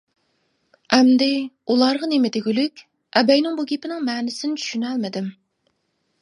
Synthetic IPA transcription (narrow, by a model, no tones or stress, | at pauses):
ɛmd̪ɪulˠɑɾʁɑnemɪd̪eɡʲylykʲ | ɛbɛjnɪŋbuɡʲepɪnɪŋmɛːnɪsɪnɪt͡ʃʰy̥ʃynælmɪd̪ɪm